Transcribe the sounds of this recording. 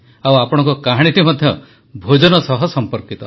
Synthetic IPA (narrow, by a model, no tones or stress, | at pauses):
awapɔɽ̃ɔŋkɔkaɦɽ̃it̪imɔd̪ʱjɔ | bʱod͡ʒɔnɔsɔɦɔsɔmpɔɾkit̪ɔ